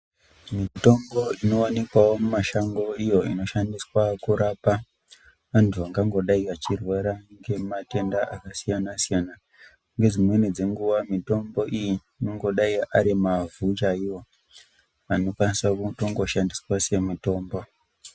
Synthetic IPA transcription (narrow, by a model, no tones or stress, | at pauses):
mito̞mbo̞ino̞wanekwawo̞mumaʃaŋɡo̞ijo̞ino̞ʃandiswakuɾapa | ʋantʰuaŋɡaŋɡo̞ɗaikat͡ʃirweɾaŋɡe̞mate̞ndaʔakasijanasijana | ŋɡe̞d͡zimwe̞nid͡ze̞ŋɡuwamito̞mbo̞ʔiji | inoŋɡo̞ɗaiaɾimavut͡ʃaiwo̞ | ano̞kwanisakutoŋɡo̞ʃandiswase̞mito̞ːmbo̞